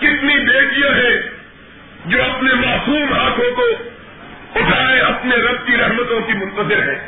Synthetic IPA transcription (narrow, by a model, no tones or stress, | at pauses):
kɪt̪nibeːɖijãɦɛ̃ | d͡ʒoːɐpnemaːsuːmɦaːkʰõko | ʊʈʰaːeɐpneɾɐb̚kiɾɐɦmət̪õkimʊ̃nt̪əzɪɾɦɛ̃ː